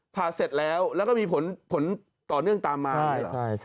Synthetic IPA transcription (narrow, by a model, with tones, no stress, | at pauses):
pʰaː˨˩se˨˩t̪̚lɛː˦˥wlɛː˦˥wkɔ˥˩miː˧pʰo˩˦npʰo˩˦n | t̪ɔː˨˩nɯ˥˩əŋt̪aː˧mːaː˧a̰˥˧˦a˥˩j